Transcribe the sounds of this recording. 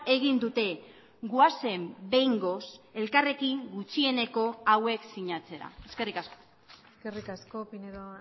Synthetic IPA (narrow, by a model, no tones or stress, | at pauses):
e̞ɣ̞ind̪ut̪e̞ | ɡuase̞mbe̞jŋɡo̞se̞lkare̞kiŋɡut͡ʃie̞ne̞ko̞awe̞ksiɲat͡se̞ɾa̰e̞ske̞rikasko̥ | eskerikaskopineðo